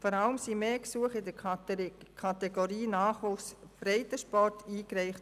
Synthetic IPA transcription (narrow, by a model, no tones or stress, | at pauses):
fɔɾaləmsimeːksuəχɪdəɾ | kʰɑtɛɡoɾiːnaːχʋusb̥ɾɛɪtəʃpɔrtʰiːkɾɛɪχt